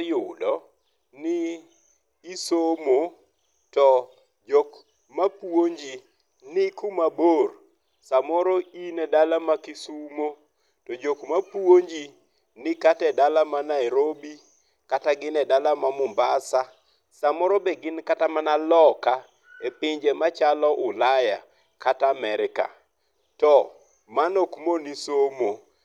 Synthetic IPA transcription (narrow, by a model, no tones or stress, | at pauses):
jʊdɔ | nɪː | somo | tɔ | d͡ʒok | mapuoɲd͡ʒi | nɪkumabor | samɔɾoinɛdalamakɪsumo | tɔd͡ʒokmapwoɲd͡ʒi | nɪkatɛdalamanaɛɾobi | kataɡɪnɛdalamamʊmbasa | samɔɾobeɡɪnkatamanalɔka | epɪɲd͡ʒemat͡ʃalɔʔʊlaja̰ | kataːmɛɾɪka̰ | tɔ | manokmonisomo